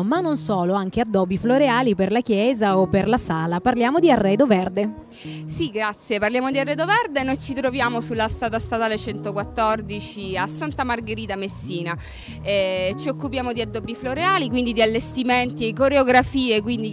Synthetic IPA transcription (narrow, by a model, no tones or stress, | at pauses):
manːonsoːloaŋk̟ead̪ːɔːbifloɾeaːliperlak̟jɛːzaopːerlasaːlaparljaːmod̪iarːɛːd̪ovɛrd̪e | siɡɾat̪sːjeparljaːmod̪iarːɛːd̪ovɛrd̪enojt͡ʃit̪ɾovjaːmosulːast̪aːt̪ast̪at̪aːlet͡ʃɛnt̪okwat̪ːɔrd̪it͡ʃiasːant̪amarɡeɾiːt̪amesːiːna | ɛt͡ʃiokːupjaːmod̪iad̪ːɔbifloɾeaːlikwind̪id̪ialːest̪iment̪ikoɾeoɡɾafiːekwind̪i